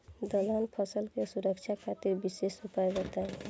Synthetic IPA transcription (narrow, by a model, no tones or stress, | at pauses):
d̪əlanpʰəsəlkesuɾəkt͡ʃʰakʰat̪ɪɾbisesʊpajd͡ʒət̪aɦɛ